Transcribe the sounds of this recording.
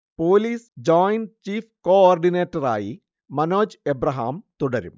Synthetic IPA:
poːliːsd͡ʑoːjnt͡ɕiːfkoːaːrɖineːtːɐra̰ːji | mɐnoːd͡ʑebrɐɦa̰ːmt̪uɽɐɾṵm

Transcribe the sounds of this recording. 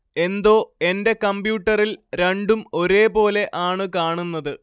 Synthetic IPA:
e̞nd̪o̞ːe̞nde̞kɐmbjuːʈːɐrilɾeɳɖumo̞ɾe̞ːpo̞ːle̞ʔaːɳɨkaːɳunːɐðɨ

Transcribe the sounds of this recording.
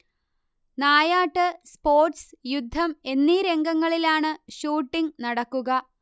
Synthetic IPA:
naːjaːʈːɨspo̞ːrʈsjud̪ʱːɐme̞nːiɾe̞ŋɡɐŋːɐɭilaːɳɨɕuːʈːiŋnɐɽɐkːuɣɐ

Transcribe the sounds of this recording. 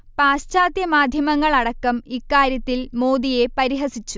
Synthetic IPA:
paːst͡ɕaːd̪jɐmaːd̪ʱjɐmɐŋːɐɭɐɽɐkːɐmikːaːɾjɐt̪ːilmoːd̪ije̞pɐɾiɦɐsit͡ɕːu

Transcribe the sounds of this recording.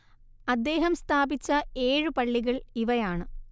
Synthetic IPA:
ɐd̪ːe̞ːɦɐmst̪ʰaːbit͡ɕːɐe̞ːɻɨpɐɭːiɣɐɭiʋɐjaːɳɨ

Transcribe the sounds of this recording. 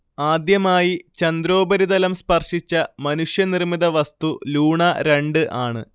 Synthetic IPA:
aːd̪jɐmaːjit͡ɕɐnd̪ɾo̞ːbɐɾid̪ɐlɐmspɐrʂit͡ɕːɐmɐnuʂjɐnirmiðɐʋɐst̪uluːɳɐɾe̞ɳɖɨʔaːɳɨ̰

